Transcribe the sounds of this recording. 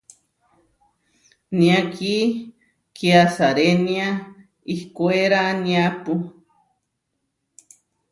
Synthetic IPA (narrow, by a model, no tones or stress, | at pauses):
nĩaki | kiasaɾenia | ihkueɾanĩapu